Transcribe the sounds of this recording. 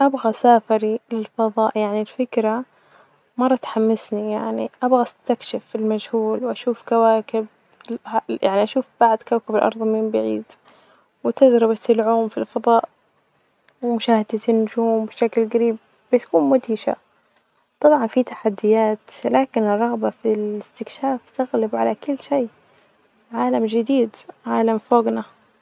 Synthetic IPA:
ʔabɣasaːfɪɾilɪlfɑðˤɑːʔjaʕnilfɪkɾa | mɑrˤːɑt̪ħamːɪsnijaʕnḭʔabɣast̪akʃɪfɪlmad͡ʒhuːlwʔaʃuːfkawaːkɪb̚ | hajaʕniʔaʃuːfb̥aʕd̪kawkɪbɪlʔɑ̰ɾˤðˤmiːmbɪʕḭːd̪ | wɪt̪ad͡ʒɾɪbat̪ɪlʕuːmfilfɑðˤɑːʔ | wɪmʊʃaːhɪd̪at̪ɪnːʊd͡ʒuːmbɪʃaklɡaɾiːb̚ | bɪt̪ḁkuːnmʊd̪iːʃa̰ | t̪ˤɑbʕɑnfit̪ḁħad̪ːɪjaːt̪laːkɪnɪrˤːɑɣbafilɪst̪ɪkʃaːft̪ɪɣlɪbʕalakʊlːʃeː | ʕaːlamd͡ʒɪd̪iːd̪ʕaːlamfoːɡna

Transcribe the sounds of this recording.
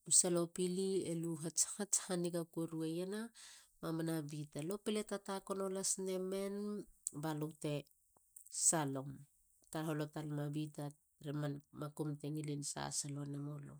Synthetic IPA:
usalo̞pilieluɦat͡ʃhat͡ʃhaniɡakuɾuejenamamanabitalo̞piletatako̞no̞lasne̞me̞nbalowte̞ | salo̞m | taɦolotalmabita | ɾemanmakumteŋilinsa̰salo̞nemolo̞̰

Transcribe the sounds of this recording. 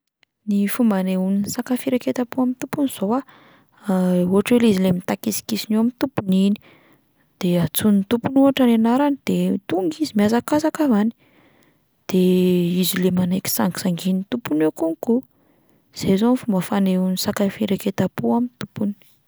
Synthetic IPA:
nifumbaneuninsakafiɾaket̪apuamint̪upuniz̥oa | uɦaʈ͡ʂwelizilemit̪akisi̥kisinuamint̪upunini̥ | d̪̥eat͡sunint̪upunuaʈ͡ʂanenaɾanid̪̥et̪uŋɡizimiazakazakavani̥ | d̪̥eizilemanajki̥saŋki̥saŋɡinit̪upunekuŋku | z̥ezonifumbəfaneunisakafiɾaket̪apuamit̪upun

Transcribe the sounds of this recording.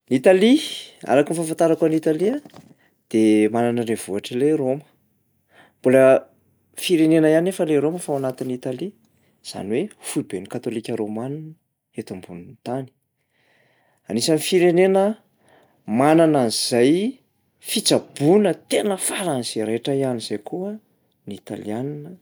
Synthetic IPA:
nit̪alia̰ɾakinifafant̪aɾakanit̪alia | d̪̥emananərev̥uaʈ͡ʂəleromə̥ | mbulə | fiɾenenəjanefəleɾoməfawanat̪init̪ali | z̥a̰niwefuibenikat̪olikʲəɾomanu | et̪umbunint̪ani̥ | anisanifiɾenenə | manananiz̥aj | fit͡sab̥unət̪enəfaɾaniz̥eɾeʈ͡ʂəianiz̥ajkuə | nit̪a̰lḭaninə

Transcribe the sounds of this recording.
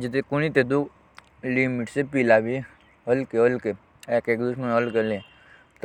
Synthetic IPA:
d͡ʒet̪̬ekuñit̪et̪u | limiʈsepilabi | ɦəlkeɦəlke | ekeːkd̪usmənəlkelẽ | t̪

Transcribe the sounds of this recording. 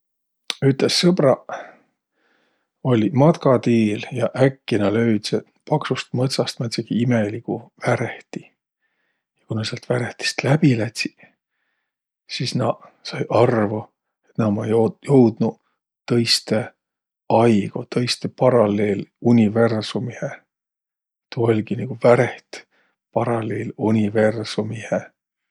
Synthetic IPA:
yt̪lesːɤb̥rɑ | o̞lʲimɑt̪kɑt̪iːljɑʔækːinɑlø̞yd̪̥se | pɑksust̪mɤt̪sɑst̪mɑt̪sekiime̞likuvæɾeht̪i | jɑkunɑseɑlt̪væɾeht̪i̥st̪læb̥ilæt̪ʲsi̥ | sisnɑsɑjʔɑrvu | e̞t̪nɑmɑjojowd̪̥nu | t̪ɤ̞jst̪e̞ | ɑjɡ̥o̰t̪ɤjst̪epɑɾɑle̞ːlunʲive̞rsumihe | t̪uolʲɡ̥iniɡ̥uvæɾe̞ht̪ | pɑɾɑle̞ːlunʲive̞rsumihe

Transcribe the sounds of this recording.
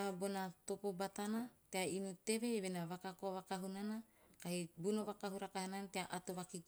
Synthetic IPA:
abonat̪opobat̪anat̪eainut̪e̞βeβenaβakakoβakaɦunanakaɦibunoβakaɦuɾakahananateaʔat̪oβakik

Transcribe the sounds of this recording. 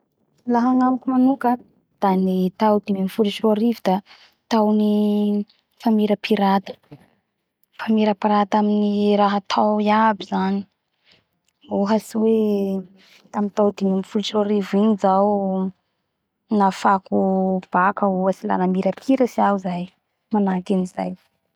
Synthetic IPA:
laɦaŋamkʲumanukə | d̪̥anet̪awd̪̥imimifulisuaɾivud̪a | t̪awni | famiɾəpʰiɾat̪ə̥ | famiɾəpiɾat̪aminiɾaɦat̪ʰawiabizani̥ | uɦasiwe | t̪amint̪awd̪imimifulisuaɾivinizaw | nafakub̥akəuɦasila̰namiɾəpʰiɾəsiazaj | manakiniza̰j

